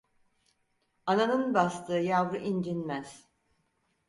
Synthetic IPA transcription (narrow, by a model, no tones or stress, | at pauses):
ananɯnbast̪ʰɯːjavɾɯʔind͡ʒinmæz̥